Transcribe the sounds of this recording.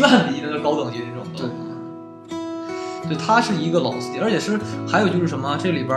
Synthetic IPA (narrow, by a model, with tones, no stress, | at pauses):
a˥˩ni˧˥nə˥ɡə˧˩kɑ˥ʊt̪ɤ˨˩ŋt͡ɕi˧˥i˧ʈ͡ʂɤ˥˩ʊ˨˩t̪ | t̪ɪt̪ʰa˥ʂɻ̩˥˩i˧˥ɡə˧lɑ˨˩ʊs̩˥˩i˨˥ə˧˥t͡ɕʰjɛ˨˩ʂɻ̩˥˩xa˧˥ɪjo˨˩ʊt͡ɕjo˥˧ʂɻ̩˥˩ʂə˧˥mə˧ʈ͡ʂɤ˥˩ɡə˩li˨˩bə˧˥